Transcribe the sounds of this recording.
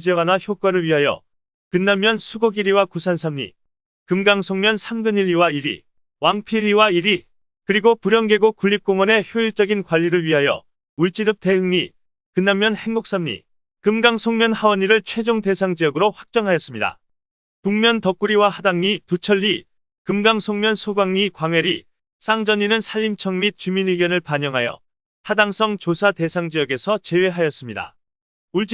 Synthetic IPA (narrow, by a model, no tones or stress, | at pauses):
d͡ʑiʌɡanaçjok͈waɾɯɭɥiɦajʌ̰ | kɯnːamːjʌnsʰuɡoɡiɾiwakusʰansʰamɲḭ | kɯmɡaŋsʰoŋmjʌnsʰamɡɯɲiʎːiwaiɾḭ | waŋpʰiʎːiwaiɾi | kɯɾiɡopuɾjʌnɡe̞ɡokuʎːip̚k͈oŋwʌne̞çjoiɭt͡ɕ͈ʌɡinkwaʎːiɾɯɭɥiɦajʌ̰ | uɭt͡ɕ͈iɾɯp̚t͈e̞ɦɯŋɲi | kɯnːamːjʌnhe̞ŋɡuk̚s͈ʌmɲḭ | kɯmɡaŋsʰoŋmjʌnhawʌɲiɾɯɭt͡ɕʰwe̞d͡ʑoŋte̞sʰaŋd͡ʑijʌɡɯɾoɸwak̚t͡ɕ͈ʌŋɦajʌs͈ɯmɲida̰ | puŋmjʌntʌk̚k͈uɾiwahadaŋɲitut͡ɕʰʌʎːi | kɯmɡaŋsʰoŋmjʌnsʰoɡaŋɲikwaŋwe̞ɾi | s͈aŋd͡ʑʌɲinɯnsʰaʎːimt͡ɕʰʌŋmit̚t͡ɕuminiɡjʌnɯɭpaɲʌŋɦajʌ̰ | hadaŋs͈ʰʌŋt͡ɕosʰate̞sʰaŋd͡ʑijʌɡe̞sʰʌt͡ɕe̞we̞ɦajʌs͈ɯmɲida̰ | uɭt͡ɕ